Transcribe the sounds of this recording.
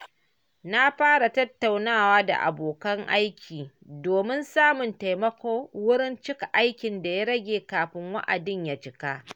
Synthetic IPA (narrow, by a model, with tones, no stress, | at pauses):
na˦ɸaː˦ɽa˨tɐ˦tːa˨wnaː˦waː˦da̰˨ʔa̰˨boː˨kɐ˦ŋʔa˦jkʲʰiː˨ | doː˨mɪ˦nsaː˦mʊ˨nta˨jmɐ˦kʷoː˦wʊ˦ɽɪ˦nt͡ʃɪ˦ka˨ʔa˦jkʲɪ˨nda˨ja˦ɽɐ˦ɡʲeː˨kaː˨ɸɪ˦ŋwɐ̰˦ʔa̰˨dɪ˦ɲja˨t͡ʃɪ˦kaː˦ʔ